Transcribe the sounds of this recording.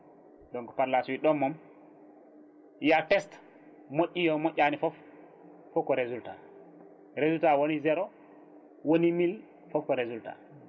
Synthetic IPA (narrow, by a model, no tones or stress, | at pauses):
dɔŋkɔpaɾlasuwiɗɔmːɔm | jatɛst | moʔʲːijɔmoʔʲːanifɔfː | ɔkɔɾezulta̰ | ɾezultawonizɛɾɔ | wonimil | fɔfkɔɾezulta̰